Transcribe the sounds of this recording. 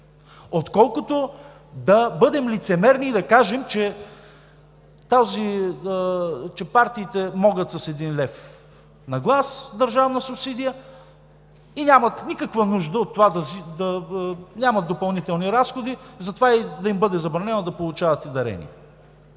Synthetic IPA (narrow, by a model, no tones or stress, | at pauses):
ot̪kɔlˠkot̪o | d̪ɐbɤd̪ɛmlit̪sɛmɛɾniːd̪ɐkaʒɛmt͡ʃɛ | t̪azi | t͡ʃɛpaɾt̪iːt̪ɛmɔɡət̪sɐsɛd̪inlɛf | nɐɡlˠasd̪ɐɾʒavnɐsʊpsid̪ijə | inʲamət̪nikəkvənuʒd̪əot̪ːovad̪ɐzid̪ɐnʲamɐt̪ːopɐlˠnit̪ɛlˠniɾasxod̪izɐt̪ovaid̪ɐimbɤd̪ɛzɐbɾɐnɛnɐd̪ɐpolˠʊt͡ʃavɐt̪ɛd̪ɐɾɛ̰nḭ